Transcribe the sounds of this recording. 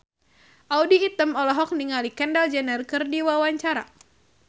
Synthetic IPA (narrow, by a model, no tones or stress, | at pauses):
ʔaudiːt̪əmɔlɔɦɔk̚niŋalikɛndald͡ʒɛnɛrkɨrdiwawaɲt͡ʃaɾa̰